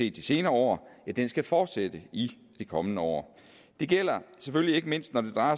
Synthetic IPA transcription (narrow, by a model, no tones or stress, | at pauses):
e̝̰ːd̥ise̝ːnɐɐɒ̰ːæd̥ensɡ̥æfɒːd̥sed̥əi | d̥ikʰɒ̽mənəɒ̰ː | d̥e̝ɡ̥el̰ɐsefølie̝ɡ̥əme̝n̰sd̥nɒd̥e̝d̥ʁɑ̈ɪɐ